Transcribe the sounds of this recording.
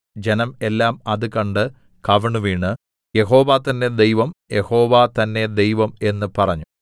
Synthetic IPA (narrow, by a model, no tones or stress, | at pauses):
d͡ʑenɐme̞lːaːmɐðɨkɐɳɖɨ | kɐʋɐɳɨʋiːɳɨ | je̞ɦo̞ːʋaːt̪ɐnːe̞d̪e̞jʋɐmje̞ho̞ːʋat̪ɐnːe̞d̪e̞jʋɐme̞nːɨpɐrɐɲːu